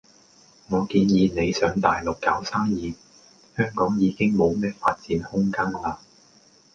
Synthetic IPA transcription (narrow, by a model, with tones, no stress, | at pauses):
ŋɔː˨˧kiː˧njiː˨˧ne˨˧jsœː˨˧ŋt̪aː˨jlʊ˨kːaː˨˥wsaː˥ŋjiː˨˧ | hœː˥ŋkɔː˨˥ŋjiː˨˧kɪ˥ŋmo˨˧wmɛː˥fa̰ː˧t̚t͡siː˨˥nhʊ˥ŋkaː˥ŋlaː˧